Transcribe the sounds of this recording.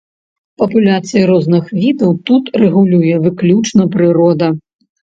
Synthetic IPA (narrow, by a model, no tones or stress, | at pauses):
pɐpulʲat̪sɨjɐɾɔznɨxvʲid̪ɐwt̪ut̪rɛɣulʲujɛvɨklʲut͡ʂnɐpɾɨɾɔd̪ɐ